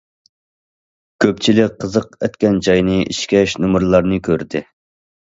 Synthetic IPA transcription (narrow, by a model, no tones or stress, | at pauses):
kʲʰøpt͡ʃʰilɪk̚ʲqʰːəzəqɛt̪kʲɛnd͡ʒɑjnɨʔiʃkʲɛʃnumuɾlˠɑɾnɨkʲʰøɾd̪ɪ